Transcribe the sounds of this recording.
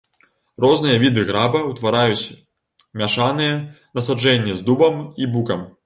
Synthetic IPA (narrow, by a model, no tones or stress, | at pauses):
rɔznɨjɐvʲid̪ɨɣɾabɐwt̪vaɾajut͡sʲ | mʲaʂanɨjɐ | nɐsad͡ʐɛnʲːizd̪ubɐmibukɐm